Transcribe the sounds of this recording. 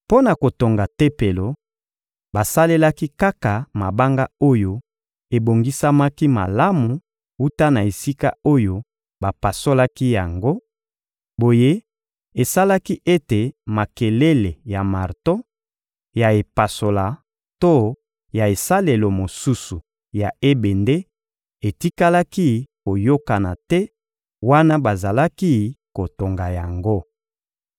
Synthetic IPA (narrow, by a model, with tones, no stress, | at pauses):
po˦na˨ko˨to˨ŋɡa˨te˦pe˨lo˨ | ba˨sa˦le˦la˦ki˦ka˦ka˨ma˨ba˦ŋɡa˦o˦jo˦ | e˨bo˨ŋɡi˦sa˦ma˦ki˦ma̰˨la˦mu˨ | u˦ta˦na˨e˨si˦ka̰˦o˦jo˨ | ba˨pa˨so˦la˦ki˦ja˨ŋɡo˦ | bo˨je˦ | e˨sa˦la˦ki˦ʔe˦te˨ma˨ke˨le˦le˨ja˨ma˨ʁto˦ | ja˨e˨pa˨so˨la˨ | to˦ | ja˨e˨sa˦le˨lo˨mo˨su˦su˨ | ja˨e˦be˨nde˦ | e˨ti˦ka˦la˦ki˦ko˨jo˦ka˨na˨tɛ˦ | wa˦na˦ba˨za˨la˦ki˦ko˨to˨ŋɡa˨ja˨ŋɡo˦